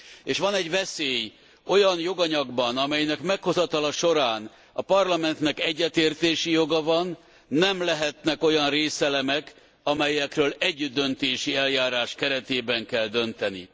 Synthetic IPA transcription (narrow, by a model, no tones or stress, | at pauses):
eːʃʋɒnɛɟʋɛseːj | o̞jɒnjo̞ɡɒɲɒɡbɒnɒmɛjnɛkmɛkho̞zɒt̪ɒlɒʃo̞ɾaːn | ɒpɒrlɒmɛnt̪nɛkɛɟːɛt̪eːrt̪eːʃijo̞ɡɒvɒnː | ɛmlɛɦɛt̪nɛko̞jɒnreːsɛlɛmɛk | ɒmɛjɛkrøːlɛɟːyd̪ːønt̪eːʃiɛljaːɾaːʃkɛɾɛt̪eːbɛŋkɛld̪ø̞nt̪ɛnḭ